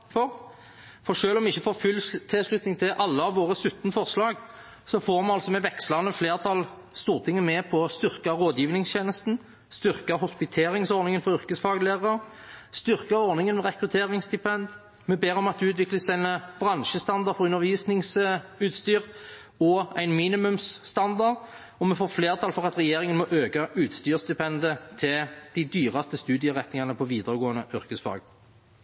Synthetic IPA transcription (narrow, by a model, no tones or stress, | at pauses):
fɔʁ | fɔʁʂøːlɔmɪçːəfoːfʉlt̪ʰɪslʉt̪nɪŋt̪ʰɪlʔɑlːəɑʋʋoːʁəsʉt̪ːnəfɔʁslɑːɡ | sɔfoːʁmɛɑlsɔmɛʋɛkslɑnəfleːʁt̪ʰɑl | st̪uːʁt̪ʰɪŋːəmɛpʰɔst̪ʏʁkɑʁoːd̪jiːʋnɪŋsçeːnəst̪n̩ | st̪ʏʁkɑhʊspɪt̪ʰeːɾɪŋsɔɾnɪŋənfɔɾʏʁkəsfɑːɡleːʁɑ | st̪ʏʁkɑɔʁnɪŋənmɛʁɛkʁʉt̪ʰeːɾɪŋsd̪ɪpɛnd̪ | mɛbeːʁɔmɑt̪̚d̪ʉʉːt̪ʋɪkləsæɪnb̥ʁɑnʃəst̪ɑnd̪ɑʁfɔʁʉnːəʁʋiːsnɪŋsʉːt̪st̪yːʁ | ɔæɪnmiːnɪmʉmsːt̪ɑnd̪ɑʁd̪ | ɔmɛfoːfleːʁt̪ʰɑlfɔʁɑt̪ʁɛjeːɾɪŋənmɔʔøːkɑʔʉːt̪st̪yːʁst̪ɪpʰɛnd̪ət̪ʰɪld̪̥ɪd̪yːʁɑst̪əst̪ʉːd̪ɪəʁɛt̪nɪŋɑnəpʰɔʋiːd̪əʁəɡoːənəʔʏɾkəsfɑ̰ːɡ